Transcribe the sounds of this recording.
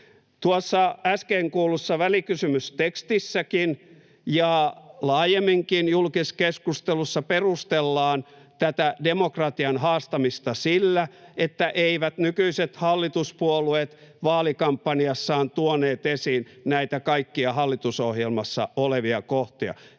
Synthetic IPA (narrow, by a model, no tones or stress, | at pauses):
t̪uosːɑæskeːŋkuːlusːɑʋælikysymyst̪ekst̪isːækin | jɑlɑːjemːiŋkinjulkiskeskust̪elusːɑperust̪elːɑːn | t̪æt̪ædemokrɑt̪iɑnhɑːst̪ɑmist̪ɑsilːæet̪ːæʔeiʋæt̪nykyiset̪hɑlːit̪uspuoluet̪ʋɑːlikɑmpːɑniɑsːɑːnt̪uoneːt̪esiːnnæit̪ækɑikːiɑhɑlːit̪usohjelmɑsːɑ̰oleʋiɑkoht̪iɑ̰